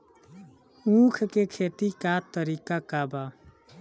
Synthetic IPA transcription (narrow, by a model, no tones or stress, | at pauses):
ũkʰkekʰet̪ikat̪əɾikakaba